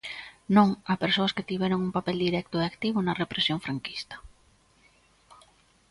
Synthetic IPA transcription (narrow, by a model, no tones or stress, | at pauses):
nõŋapeɾsoasket̪iβjeɾoŋumpapeld̪iɾɛk̚t̪oeakt̪iβ̞onarepɾesjoɱfɾaŋki̥st̪ḁ